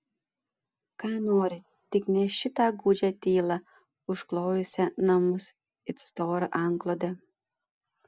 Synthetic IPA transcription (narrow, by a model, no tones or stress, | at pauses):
kɑːnoːɾʲɪ | t̪ʲɪknʲɛʃʲɪt̪ɑɡuːd͡ʒʲɛt̪ʲiːlˠɑ | ʊʃklˠɔʊjʊsʲɛnɐmʊs | ɪt̪st̪oːɾɐʔɑŋɡlˠod̪ɛ